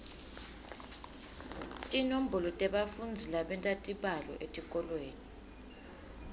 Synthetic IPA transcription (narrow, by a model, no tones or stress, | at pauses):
tʼinom̩bʱɔlɔtʼɛɓafund͡zʱilaɓɛntʼatʼiɓalɔ̰ʔetʼik̬ʼɔlweːni